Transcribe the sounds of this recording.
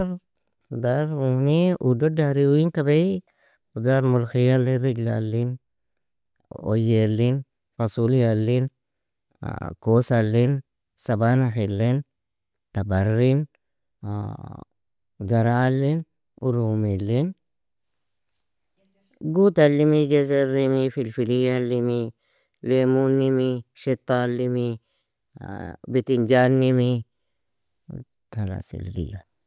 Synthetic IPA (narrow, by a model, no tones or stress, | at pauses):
daɾuniʔudodaɾiwwiŋkabaj | ud̪aɾmulxijaliɾiɡla̰lːin | ɔ̰jelːin | fasuljalːin̰ | kosalːin | sabanaħilːin | t̪abaɾːin | ɡaɾalːin | uɾumilːin | ɡut̪alːimid͡ʒezeɾimifilfilijalːimi | lemunːimiʃit̪ːalːimi | bit̪ind͡ʒanːimi | tala̰sḭlːḭja